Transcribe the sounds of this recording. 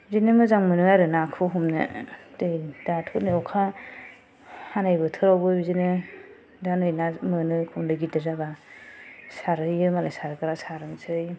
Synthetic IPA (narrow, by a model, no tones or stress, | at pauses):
zinɯmɯzaŋmɯnɯajɾɯnakʰɯɦumnɯ̰dɯjd̥atʰunɯɔkʰa | hanajbɯtʰɯɾawbɯbizinɯ | danɯjnamɯnɯkʰumdɯɡidɯzaba | saɾɯjɯmalajsaɾɯkaɾasaɾɯnsɯj